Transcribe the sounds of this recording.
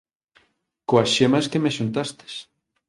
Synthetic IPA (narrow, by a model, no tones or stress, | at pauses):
koasʃemɐskemeʃunt̪ast̪e̥s